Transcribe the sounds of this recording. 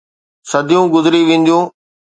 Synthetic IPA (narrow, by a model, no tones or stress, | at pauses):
sɐd̪ʱijũɡʊzɪɾiʋẽːn̆d̪jũː